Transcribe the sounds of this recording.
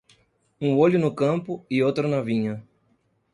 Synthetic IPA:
ũoʎʊnʊkɐ̃mpʊiowt̪ɾɐnɐvĩɲɐ

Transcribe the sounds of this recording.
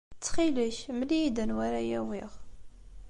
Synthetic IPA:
t͡sːχiləʃməlid̪ənwæɾajæwiʁ

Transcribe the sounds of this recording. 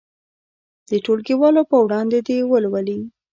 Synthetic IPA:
d̪̥əʈolkiwɑlopəwɽɑnd̪ed̪ewəlwəli

